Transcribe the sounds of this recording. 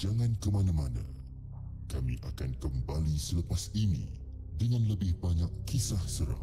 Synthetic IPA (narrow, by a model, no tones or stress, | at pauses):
d͡ʒaŋãnkəmanãmanã̰ | kamḭ̃ʔakankəmbalisələpasinḭ̃ | dəŋãnləbɪhbaɲakːisahsəɾa̰